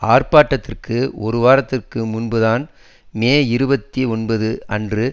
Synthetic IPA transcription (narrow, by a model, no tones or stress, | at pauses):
aːrpaːʈːɐt̪ːɪrkɯɔɾɯʋaːɾɐt̪ːɪrkɯmʊnbɯðaːn | meːɪɾɯbɐt̪ːiɔnbɐðɯʔɐndrɯ